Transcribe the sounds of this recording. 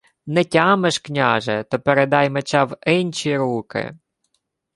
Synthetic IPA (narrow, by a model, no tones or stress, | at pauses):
nɛtʲɑmeʃknʲɑʒɛt̪ɔpeɾed̪ɑjmet͡ʃɑwɪnʲt͡ʃiɾukɪ̰